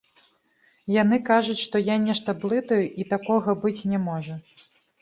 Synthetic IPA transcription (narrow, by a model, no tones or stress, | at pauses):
janɨkaʐut͡sʲʂt̪ɔjanʲɛʂt̪ɐblˠɨt̪ɐjuʔit̪akɔɣɐbɨt͡sʲnʲɛmɔʐɐ